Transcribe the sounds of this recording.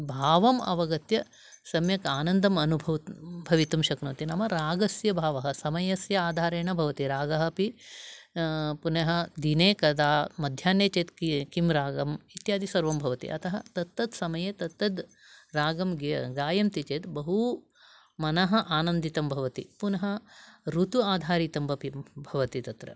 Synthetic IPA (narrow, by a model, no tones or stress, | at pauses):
bʱaːʋɐmɐ̰ʋɐɡɐt̪jɐ | sɐmjɐkaːnɐnd̪ʱɐmɐnubʱɐʋbʱɐʋit̪ɐmʃɐknɐːt̪inɐmɐɾaːɡɐsjɐbʱaːʋɐɦɐsɐmɐjɐsjɐaːd̪ʱaːɾeːɳɐbʱɐʋɐt̪iɾaːɡɐɦɐ̆pi | puneɦɐ̆d̪ineːkɐd̪aːmɐd̪ʱjaːnjeːt͡ʃeːt̪kikimɾaːɡɐmit̪jaːd̪isɐɾʋɐmbʱɐʋɐt̪ḭʔɐt̪ɐɦɐt̪ɐt̪ːɐd̪sɐmɐjet̪ɐt̪ːɐd̪ | ɾaːɡɐmɡɡaːjɐmt̪it͡ʃeːt̪bɐɦu | mɐnɐɦɐ̆ʔaːnɐnd̪it̪ɐmbʱɐʋɐt̪ipunɐɦɐ̆ɾut̪uaːd̪ʱaːɾiːt̪ɐmbʱɐpibʱɐʋɐt̪it̪ɐt̪ɾɐ̰